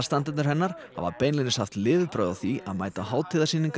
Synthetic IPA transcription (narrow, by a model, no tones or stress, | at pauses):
st̪ant̪ɪt̪nʏɾhɛnːaɾ̥ha̰va̰ɾpejnlɪnɪshaft̪lɪːvɪðpɾœːðawθiaðmaːjt̪aɦaːwt̪ʰɪːðasiːniŋk